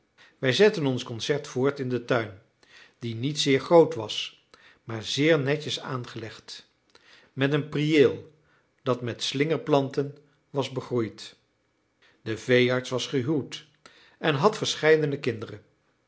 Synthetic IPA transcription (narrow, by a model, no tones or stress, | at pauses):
ʋɛjzɛtənɔnskɔnsɛɹtfʊːɹtɪndətœɥn | d̥initsɪːɹχrowtʋɑs | maːɹzɪːɹnɛcəsa̰ːnχəlɛχt | mɛtənprieːlˠ | d̥ɑtmɛtslɪŋəɹplɑntən | ʋɑzbəχrujt | dəvejɑɹtsʋɑsχəɦywt | ʔɛnɦɑtfəɹsχɛjdənəkɪndərən